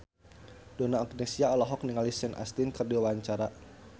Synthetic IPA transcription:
d̥ɔnaːɡnesiaɔlɔɦɔkniŋalisɛnʔa̰st̪inkərdiawaɲt͡ʃaɾa

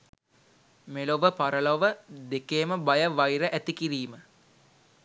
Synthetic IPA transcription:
meloʋəpaɾəloʋəd̪ekeːməbajəʋajɾəʔæt̪ikiɾiːmə

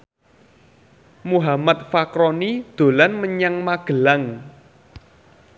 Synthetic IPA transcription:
muɦamat̪̚fakɾɔnid̪̥o̤lanməɲaŋmaɡ̥ə̤laŋ

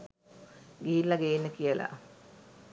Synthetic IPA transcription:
ɡiːlːaɡeːnːəkijəla̰

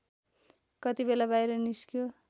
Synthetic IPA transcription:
kʌt̪ibelabajɾʌniskjo

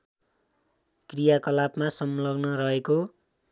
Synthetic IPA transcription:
krijakʌlapmasʌmlʌbnʌɾʌɦeko

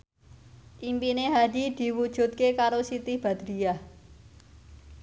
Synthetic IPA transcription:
ʔimpineɦad̪̥id̪̥i̤wud̥ʒ̥ṳt̪̚kekaɾosit̪ɪhb̥a̤d̪̥ɾiah

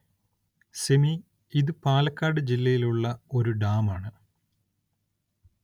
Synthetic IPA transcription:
semi | iðɨpaːlɐkːaːɖɨd͡ʑilːɐjiluɭːɐo̞ɾuɖaːmaːɳɨ

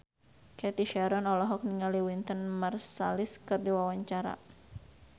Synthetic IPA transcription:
kɛt̪iʃɛɾɔnɔlɔɦɔk̚niŋaliwint̪ənmarsaliskɨrdiwawaɲt͡ʃaɾa̰

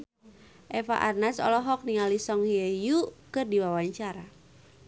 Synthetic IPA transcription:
ʔɛfa̰ʔarnasɔ̰lɔɦɔk̚niŋalisɔŋhiɛjukɨrdiwawaɲt͡ʃaɾa

